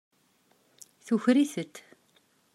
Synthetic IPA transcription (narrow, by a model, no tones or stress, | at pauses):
θuçɾiθət̪